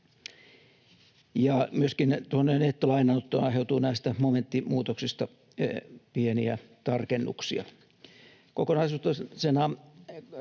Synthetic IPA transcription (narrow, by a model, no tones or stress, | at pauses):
jɑmyøskint̪uonːenet̪ːolɑinɑut̪ːonɑiɦeˑut̪uːnæist̪æmoment̪ːimuːt̪oksist̪ɑ | pieniæ̰t̪ɑrkenːṵksiɑ̰ | kokonɑisuːt̪ɑsenɑ